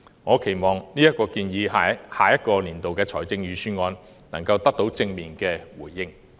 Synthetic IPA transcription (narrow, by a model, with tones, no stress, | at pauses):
ŋɔː˨˧kʰe˨˩jmɔː˨˩ŋniː˥jɐ˥t̚kɔː˧kiː˧njiː˨˧a˨haː˨jɐ˥t̚kɔː˧liː˨˩nt̪o˨wkɛː˧t͡sʰɔː˨˩jt͡sɪ˧ŋjyː˨˧syː˥nŋɔː˧n | nɐ˨˩ŋkɐ˧wt̪ɐ˥k̚t̪o˨˧˥wt͡sɪ˧ŋmiː˨nkɛː˧wuː˨˩jːɪ˥ŋ